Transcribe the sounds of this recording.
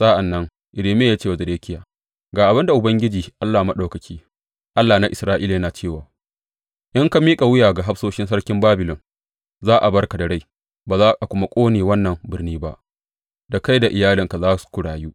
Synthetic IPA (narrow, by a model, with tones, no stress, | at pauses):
sa˦ʔa˨nːɐ˦ŋ | ʔɪ˨leː˨meː˦jaː˦t͡ʃeː˦˨wa˨zɐ˨deː˦kʲɪ˦jaː˨ | ɡaː˨ʔa˨bɪ˦nda˨ʔʊ˨bɐ˦ŋɡʲɪ˦d͡ʒiː˨ʔa˦lːaː˨ma˦ɗa˨wkɐ˨kʲʰiː˦ | ʔa˦lːaː˨na˦ʔɪ˨sɾaː˦ʔiː˦la˨ja˦naː˨t͡ʃeː˦˨waː˨ | ʔɪ˦ŋka˨miː˦kʼa˨wɪ˦jaː˨ɡa˨ɦa˦fsoː˦ʃɪ˦nsɐ˦rkʲɪ˦mbaː˦bɪ˨lɔ˨ŋ | zaː˦ʔa˨bɐ˦rka˨da˨ɽa˦j | baː˨zaː˦ʔa˨kʷʊ˦ma˦kʷʼoː˦neː˨wɐ˦nːɐ˨mbɪ˦rniː˦ba̰˦ʔ | da˨ka˦jda˨ʔɪ˨jaː˦lɪ˨ŋka˨zaː˦su̥˨kʷʊ˨ɽaː˨juː˦ʔ